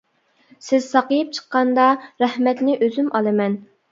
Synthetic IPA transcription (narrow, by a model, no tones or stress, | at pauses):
sɪz̥sɑqəjɨp̚t͡ʃʰə̥qːɑnd̪ɑɾæhmɛt̪nɪʔøzymʔɑlˠɨmɛn